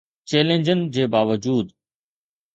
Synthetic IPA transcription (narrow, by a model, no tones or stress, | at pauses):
t͡ɕeːlẽnd͡ʑənɪd͡ʑeːbaːʋəd͡ʑuːd̪